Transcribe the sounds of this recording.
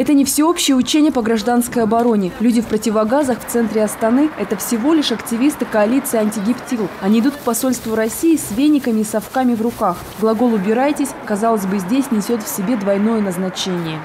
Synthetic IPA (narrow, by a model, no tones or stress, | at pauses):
ɛt̪ənʲɪfsʲɪo̞pɕːɪjəʊt͡ɕenʲɪjəpəɡɾɐʐd̪anskəjɐbɐɾo̞nʲɪlʲudʲɪfpɾətʲɪvɐɡazəxft̪sɛnt̪ɾʲɪɐst̪ɐnɨɛt̪əfsʲɪvo̞lʲɪʂɐktʲɪvʲist̪ɨkɐɐlʲit̪sɨjɐnʲtʲɪɡʲɪptʲilˠɐnʲiɪd̪ut̪kpɐso̞lʲst̪vʊɾɐsʲijːsʲvʲenʲɪkəmʲɪːsɐfkamʲɪvrʊkax | ɡlˠɐɡo̞lˠʊbʲɪɾajtʲɪsʲkɐzɑlˠəsʲbɨzʲdʲesʲnʲɪsʲo̞t̪fsʲɪbʲe̞d̪vɐjno̞jənəznɐt͡ɕenʲɪjə